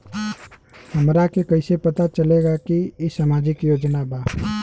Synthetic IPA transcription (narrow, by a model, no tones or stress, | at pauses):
həmɾakekəɪsepət̪at͡ʃəleɡakiesamad͡ʒɪkjoːd͡ʒnaba